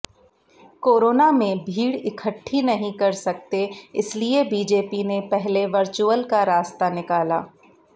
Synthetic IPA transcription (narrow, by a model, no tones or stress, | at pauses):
koːɾoːnamẽbʱiːɽɪkʰəʈʰːinɐɦĩkɐɾsɐk̚t̪eɪ̰sliebiːd͡ʒeːpinepɛɦleʋɐɾt͡ʃuəlkaɾaːst̪anɪkaːla̰ː